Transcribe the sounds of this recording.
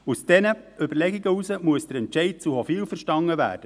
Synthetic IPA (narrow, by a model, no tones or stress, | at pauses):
usd̥ɛnəʏbəɾlɛɡiɡəusəmuəsd̥̪əɾɛntt͡ʃɛɪd̚t͡suhɔfiːlfəɾʃtɑŋːəʋæ̰ːɾd̥ə